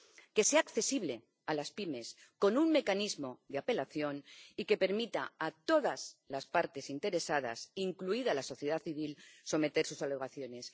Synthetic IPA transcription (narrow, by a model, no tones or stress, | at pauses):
ke̞seakθe̞siβ̞le̞ | alaspime̞s | ko̞nunme̞kanizmo̞ðeape̞laθjo̞nike̞pe̞ɾmit̪aat̪o̞ðaz̥laspaɾt̪e̞sint̪e̞ɾe̞sað̞a̰siŋkluiðalaso̞θjeð̞aθiβ̞ilso̞me̞t̪e̞ɾsusaleɣaθjo̞ne̞s